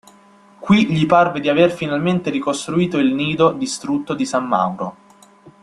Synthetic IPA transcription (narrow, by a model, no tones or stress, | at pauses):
kwiʎiparved̪iaverfinalment̪eɾikost̪ɾuiːt̪oilniːd̪od̪ist̪ɾut̪ːod̪isamːa̰wɾo